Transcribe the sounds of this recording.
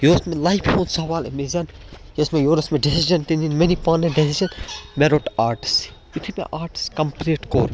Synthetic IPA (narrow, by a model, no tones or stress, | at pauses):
joːsmelajpʰhõːnsɐʋaːlḛmezɐnjesmẽjoːɾɐsmẽɖesiʒɐnt̪ininmenipaːneɖesid͡ʒɐnmeɾoʈaːɾʈi̥s | jut̪ʰimḛ̃ʔaːɾʈi̥skɐmpɾiːʈko̰ːɾ